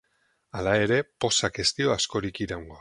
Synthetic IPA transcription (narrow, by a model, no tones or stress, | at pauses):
alae̞ɾe̞po̞sake̞st̪io̞asko̞ɾikiɾawŋɡo̞